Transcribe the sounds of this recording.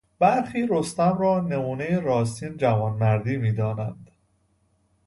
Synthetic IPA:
b̥æɾxiːɾo̞st̪æmrɒːne̞muːnejeɾɒːs̬t̪iːnd͡ʒæmɒnmæɾd̪iːmiːd̪ɒːnænd̪̥

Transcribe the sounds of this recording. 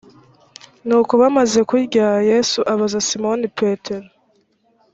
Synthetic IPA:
nuːkoβamaze̞kwiɾɟajesuʔaβazasimonipʰeteɾo

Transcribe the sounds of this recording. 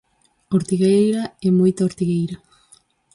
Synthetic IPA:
oɾt̪iɣejɾɐɛmojt̪ɐoɾt̪iɣejɾɐ

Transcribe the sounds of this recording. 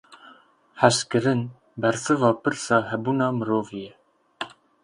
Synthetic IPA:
ħæʃkɨɾɨn | bɛɾsɨvɑːpɨɾsɑːɦɛbuːnɑːmɨɾoːvijɛ

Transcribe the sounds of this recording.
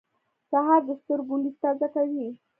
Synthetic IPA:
saɦɑɾd̪əst̪əɾɡuɳɖist̪azakawi

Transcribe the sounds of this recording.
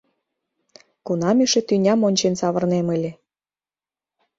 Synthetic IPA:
kunɑmiʃĕt̪ynʲɑmonʲt͡ɕensɑβə̆rnemə̆lʲĕ

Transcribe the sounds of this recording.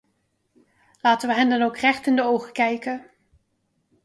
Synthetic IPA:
laːtəʋəɦɛndɑnowkrɛχtɪndəowχəkɛjkə

